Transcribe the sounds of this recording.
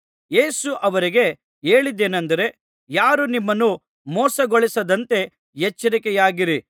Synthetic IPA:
jeːsuʔɐʋɐɾiɡe̞ | e̞ːɭid̪ːeːnɐnd̪ɐɾe̞ | jaːɾunimːɐnːu | mɔːsɐɡɔɭisɐd̪ɐnt̪e̞ | jɛt͡ʃːɐɾikɛjaːɡiɾi

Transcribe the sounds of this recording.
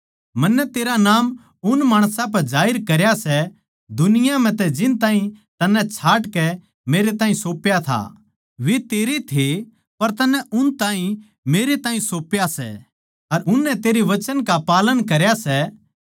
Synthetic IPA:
mɐnːɛt̪eːɾanaːm | ʊnmaːɽ̃sãp̬ɐɾd͡ʒaːɪɾkɐɾjasɛ | d̪ʊnɪjam̤ɛ̃t̪ɛd͡ʒɪnt̪ãːɦĩt̪ɐnːɛt͡ʃʰaːʈkɛ | meːɾet̪aːɦĩsoːpjat̪ʰa̰ | ʋet̪eːɾet̪ʰe | pɐɾt̪ɐnːɛʔʊnt̪ãːɦĩ | meːɾet̪ãːĩsoːpjasɛ̰ | ɐɾʊnːɛt̪eːɾeʋɐt͡ʃənkapaːlənkɐɾjasɛ

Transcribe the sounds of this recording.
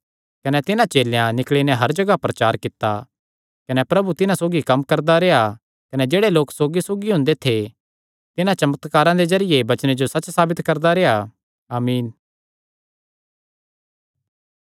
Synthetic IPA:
kɐnɛt̪ɪnãt͡ʃeːlejãnɪkɭinɛ̃ɦɐɾd͡ʒɐɡapɾɐt͡ʃaːɾkɪt̪ːa | kɐnɛpɾɐbut̪ɪnãsoːɡikɐmkɐɾd̪aɾeːa | kɐnɛd͡ʒeːɽeloːksoːɡisoːɡiɦʊ̃nd̪et̪ʰe | t̪ɪnãt͡ʃɐmət̪kaːɾãd̪ezɐɾɪjebɐt͡ʃnẽd͡ʒosɐt͡ʃːsaːbɪt̪kɐɾd̪aɾeːa | aːmiːn

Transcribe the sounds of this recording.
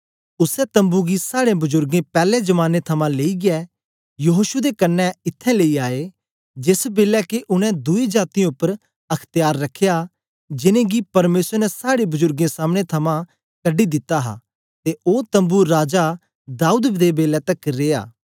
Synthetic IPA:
ʊsɛt̪ɐ̃mbuɡisaːɽẽbʊzʊɾɡẽpɛːlẽd͡ʒɐmaːnet̪ʰɐmãleːiɡɪɛ | jɐɦoːʃud̪ekɐnːɛɪt̪ʰːɛ̃leiaːe | d͡ʒɪsbeːlɛkeʔʊnɛ̃d̪ʊid͡ʒaːt̪iãʊpːəɾ | ɐkʰt̪ɪjaːɾːɐkʰːeja | d͡ʒɪnẽɡipɐɾmeːsəɾnɛsaːɽebʊzʊɾɡẽsaːmɽ̃et̪ʰɐmã | kɐɖid̪ɪt̪ːaɦa̰ | t̪eoːt̪ɐ̃mbuɾaːd͡ʒa | d̪aːuːd̪d̪ebeːlɛt̪ɐkɾeːa̰ː

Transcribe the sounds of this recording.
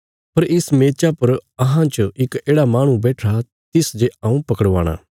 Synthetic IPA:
pɐɾɪsmeːt͡ʃapɐɾɐɦãt͡ʃɪkeːɽamaːɽ̃ũbɛːʈʰa | t̪ɪsd͡ʒeãːũpɐkəɽʋa̰ːɽ̃a̰ː

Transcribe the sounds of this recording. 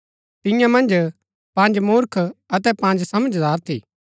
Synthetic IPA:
t̪ɪ̃jãmɐ̃nd͡ʒ | pɐ̃nd͡ʒmuːɾkʰɐt̪ɛpɐ̃nd͡ʒsɐməd͡ʒd̪aːɾt̪ʰiː

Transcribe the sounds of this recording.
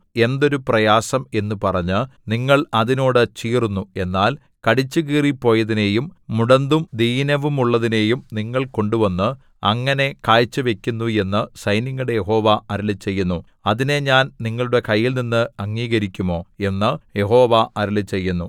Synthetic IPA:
e̞nd̪o̞ɾuprɐjaːsɐme̞nːupɐrɐɲːɨniŋːɐɭɐðino̞ːɽɨt͡ɕiːrunːue̞nːaːl | kɐɽit͡ɕːɨɣiːripːo̞ːjɐðine̞ːjumːuɽɐnd̪umd̪ijnɐʋumuɭːɐðine̞ːjumniŋːɐɭko̞ɳɖuʋɐnːɨ | ɐŋːɐne̞kaːjt͡ɕːɨʋe̞kʲːunːue̞nːɨsɐjniŋːuɽe̞je̞ɦo̞ːʋɐɐɾɐlɨt͡ɕe̞jːunːu | ɐðine̞ɲaːnniŋːɐɭuɽe̞kɐjːilninːɨɐŋːiːɣɐɾikʲːumo̞ːe̞nːɨje̞ɦo̞ːʋɐɐɾɐlɨt͡ɕe̞jːunːu

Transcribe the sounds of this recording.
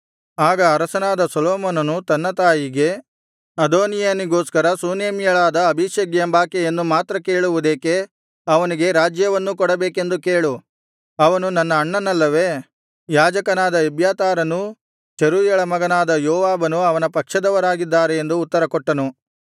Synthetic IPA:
aːɡɐːɾɐsɐnaːd̪ɐsɔloːmoːnɐnut̪ɐnːɐt̪aːjiɡe̞ | ɐd̪oːnijaːniɡoːskɐɾɐsuːneːmijɐɭaːd̪ɐːbʱiʃɐɡjɐmbaːkejenːumaːt̪ɾɐke̞ːɭuʋud̪eːke̞ | ɐʋɐniɡe̞ɾaːd͡ʒjɐʋɐnːukɔɽɐbeːke̞nd̪ukeːɭu | ɐʋɐnunɐnːɐːɳːɐnɐlːɐʋe̞ː | jaːd͡ʒɐkɐnaːd̪ɐibjaːt̪aːɾɐnu | t͡ʃɐɾuːjɐɭɐmɐɡɐnaːd̪ɐjɔːʋaːbɐnuɐʋɐnɐpɐkʂɐd̪ɐʋɐɾaːɡid̪ːaːɾeend̪uːt̪ːɐɾɐkɔʈːɐnu

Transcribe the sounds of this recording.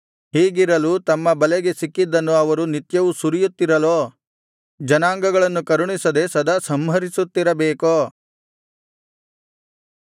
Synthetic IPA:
hiːɡiɾɐlut̪ɐmːɐbɐlɛɡe̞sikːid̪ːɐnːuɐʋɐɾunit̪jɐʋusuɾijut̪ːiɾɐloː | d͡ʒɐnaːŋɡɐɡɐɭɐnːukɐɾuɳisɐd̪esɐd̪ɐsɐmɦɐɾisut̪ːiɾɐbeːkoː

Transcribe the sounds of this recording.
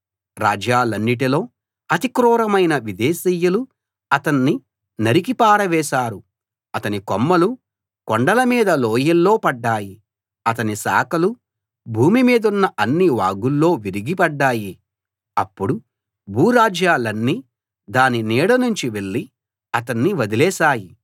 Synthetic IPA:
ɾaːd͡ʒaːlɐnːiʈ̬ilo̞ː | ɐt̪ikɾɔːɾɐmɐjnɐʋid̪ɛːsiːjulu | ɐt̪ɐnːi | nɐɾikipaːɾɐʋɛːʃaːɾu | ɐt̪ɐnikomːɐlu | kɔɳɖɐlɐmiːd̪ɐloːjɐlːo̞ːpɐɖːaːji | ɐt̪ɐnisa̰ːkɐlu | bʱuːmimiːd̪ɐunːɐʔɐnːiʋaːɡulːo̞ːʋiɾiɡipɐɖːaːji | ɐ̰pːuɽu | bʱuːɾaːd͡ʒjaːlɐnːiː | d̪aːninɛːɽɐnuɲt͡ʃiʋe̞ɭːi | ɐt̪ɐnːiʋɐd̪ilɛːsaːji

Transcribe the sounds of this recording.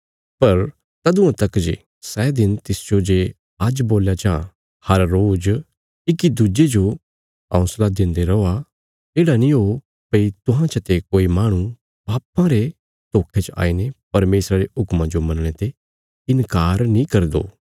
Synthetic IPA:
pɐɾ | t̪ɐd̪ʊ̃ãt̪ɐkd͡ʒḛ | sɛːd̪ɪnt̪ɪsd͡ʒod͡ʒe | ad͡ʒboːljat͡ʃã | hɐɾːoːd͡ʒ | ɪkid̪ud͡ʒed͡ʒo | ɔ̰̃ːslad̪ɪ̃nd̪eɾɐoa | eːɽanĩɦo | pɐit̪ʊɦãt͡ʃət̪ekoːimaːɽ̃ũ | baːpãɾe | t̪oːkʰet͡ʃa̰ːinepɐɾmeːsɾaɾeɦʊkmãd͡ʒomɐ̃nɽ̃et̪e | ɪnkaːɾnĩkɐɾd̪o̰ː

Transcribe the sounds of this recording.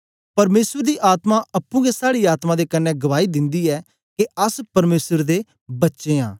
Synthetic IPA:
pɐɾmeːsəɾd̪iːʔaːt̪mãʔɐpːũːɡesaːɽiaːt̪mãd̪eːkɐnːɛ̃ɡɐʋaːid̪ɪ̃nd̪iːɛː | keɐspɐɾmeːsəɾd̪e | bɐtːʃeːã̰ː

